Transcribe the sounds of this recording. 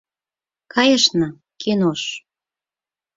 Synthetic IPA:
kɑjə̆ʃnɤ̆ | kʰenoʃ

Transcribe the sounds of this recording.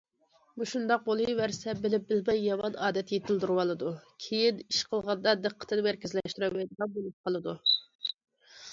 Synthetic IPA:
buʃund̪ɑq̚bolˠɨvæɾsɛbɪlɪp̚bɪlmɛjːɑmɑnɑːd̪ɛt̪jet̪ʰɪld̪uɾwɑlˠɨd̪ukʲʰejɪniʃqʰəlˠʁɑnd̪ɑd̪əqʰːə̥t̪ʰɨnɪmæɾkʲɪzlɛʃt̪yɾɛmɛjd̪ʁɑbolˠup̚qʰɑlˠɨd̪u

